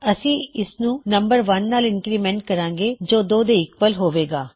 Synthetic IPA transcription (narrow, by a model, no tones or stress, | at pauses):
əsĩːɪsnũːnəmbəɾʋənːaːlɪnkɾiːmɛ̃ːɳʈ̚kəɾãːŋɡeːd͡ʒoːd̪oːd̪eːɪkʋəlɦoːʋeːɡaː